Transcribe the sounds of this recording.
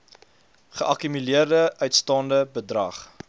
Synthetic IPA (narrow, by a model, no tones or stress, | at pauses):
χəʔɐkymyliərdəʔœɥtstɑːndəbədrɐ̰χ